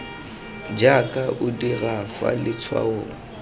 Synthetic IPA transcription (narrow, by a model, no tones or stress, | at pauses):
d͡ʒakʼaʔʊdirafa̰lɪt͡sʰwa̰ʊ